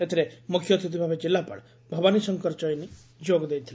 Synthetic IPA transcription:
et̪ʰiɾemʊkʰjɔt̪ʰit̪ibʱabed͡ʒɪlːapɐ̰ɽ | bʱɔbanisəŋkəɾt͡ʃɔini | d͡ʒoːɡd̪ejt̪ʰːil

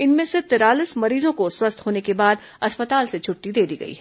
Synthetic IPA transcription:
ɪnmẽset̪ɪɾaːlɪsmɐɾiːzõkoswɐst̪ɦoːnekebaːd̪ | ɐspət̪aːlset͡ʃʰʊʈːid̪eːd̪iɡɐ̰ḭːɦɛː

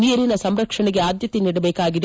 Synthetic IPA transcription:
nijɐɾinɐsɐmɾɐkʂɐɳiɡeaːd̪jɐt̪ːiniɽube̞ːkːaːɡiɾ

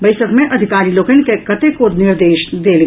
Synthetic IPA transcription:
bɐɪsəkmẽʔɐd̪ʱɪkaːɾiloːkənkekɐt̪ekonɪɾd̪eːʃd̪eːl

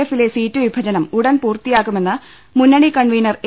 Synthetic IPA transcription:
efile̞siːtːɨʋibʱɐd͡ʑɐnɐmuɽɐnpuːrt̪ijaːɣume̞nːɨ | munːɐɳikɐɳʋijnɐre

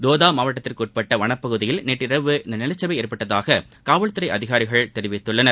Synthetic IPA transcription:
d̪oːðaːmaːʋɐʈːɐt̪ːɪrkuːʈ̚pɐʈːɐʋɐɳɐpːɐɣɯðɪjɪlneːʈːɪɾɐʋɯɪnd̪ɐnɪlɐt͡ʃːɐʋɐɪeːɾpɐʈːɐðaːɣɐ | kaːʋɐɭt̪ːɯɾɐɪɐðɪɣaːɾɪɣɐɭt̪ɛɾɪʋɪt̪ːɯɭːɐnɐɾ

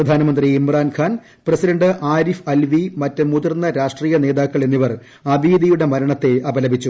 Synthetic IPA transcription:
prɐd̪ʱaːnɐmɐnd̪riːmraːnkʰaːn | prɐsidɐɳɖɨʔaːɾifɐlʋimɐtːɨmuðɐrnːɐɾaːʂʈriːjɐne̞ːðaːkːɐɭenːiʋɐr | ɐbʱiːd̪ijuɽe̞mɐɾɐɳɐt̪ːe̞ɐbɐlɐbʱit͡ɕːu

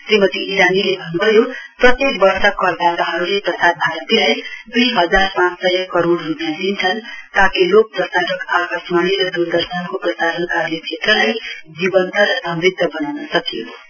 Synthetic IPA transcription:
sɾimʌt̪iːɾanilebʱʌnubʱʌjoprʌt̪ek̚bʌɾsʌkʌɾd̪at̪aɦʌɾuleprʌsad̪̚bʱaɾʌt̪ilajd̪ujɦʌd͡zarpãt͡ssʌɦkʌɾoɽrupjãd̪int͡sʰʌnt̪akilok̚d̪ʌsaʈʌkakʌsmaniɾʌd̪und̪ʌɾsankoprʌsaɾʌnkaɾlet͡ʃʰet̪rʌlajd͡zibʌnt̪aɾʌsʌ̃mɾid̪ʱəbʌnawnʌsʌkijo

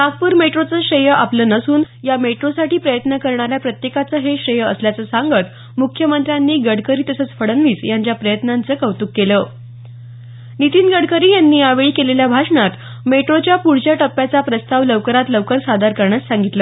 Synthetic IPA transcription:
maɡ̚puːɾmeʈɾot͡səːɕɾəjəʔapləːnəsuːn | jameʈɾosaʈiːpɾəjət̪nəkəɾɳaɾjapɾət̪jekat͡səːɦeɕɾəjəəsljat͡səːsaŋɡət̪ | mukʰjəmənt̪ɾjanːiːɡəɽkəɾiːt̪əsət͡sfəɽənʋiːt͡sjaɲt͡ɕjapɾəjət̪nant͡səːkəʋt̪uːkːeləː | nit̪iːnɡəɽkəɾiːjanːiːaʋeɭiːkeleljabʱaʂɳat̪ | meʈɾot͡ɕjapuɽ̤d͡ʑjaʈəpːjat͡sapɾəst̪aʋləʋkəɾat̪ləʋkəɾsad̪aɾkəɾɳassãŋɡit̪ləː

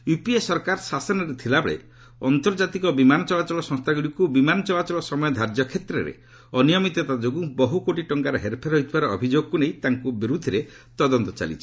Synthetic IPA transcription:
jupiesɔɾkaɾsasɔnɔɾet̪ʰilabɭḛ | ɔnt̪ɔɾd͡ʒat̪ikɔbimanɔt͡ʃɔlat͡ʃɔlɔsɔ̃ŋst̪ʰaɡuɽikubimanɔt͡ʃɔlat͡ʃɔlɔsɔmɔjɔd̪ʱaɾd͡ʒɔkʰet̪ɾeɾḛ | ɔnijɔmit̪ɔt̪ad͡ʒokubɔɦukoʈiʈɔŋkaɾɔɦeɾpʰeɾɦɔɦit̪ʰibaɾɔːbʱid͡ʒoɡɔkunej̃t̪aŋkubiɾud̪ʱiɾe | t̪ɔd̪ɔnt̪ɔt͡ʃa̰lḭt͡ʃʰi̥

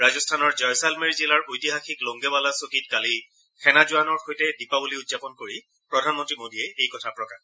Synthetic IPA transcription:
ɹazɔstʰanɔɹd͡ʒɔjsalmeɹzilaɹʔojtiɦaxiklɔŋɡɛbalasokitkali | kʰɛnazʊanɔɹxojtɛdipabuliʊtz̥apɔnkoɹi | pɹɔdʱanmɔntɹimodʱiɛejkɔtʰapɹɔkax

